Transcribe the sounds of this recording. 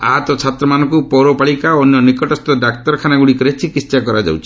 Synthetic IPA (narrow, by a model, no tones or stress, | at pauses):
a̰ɦat̪ɔt͡ʃʰat̪ɾɔmanɔ̃ŋkupɔɾopaɭikaːnjɔnikɔʈɔst̪ɔɖakt̪ɔɾɔkʰanaɡuɽikɔɾet͡ʃʰikist͡ʃakɔɾad͡ʒa̰wt͡ʃʰi̥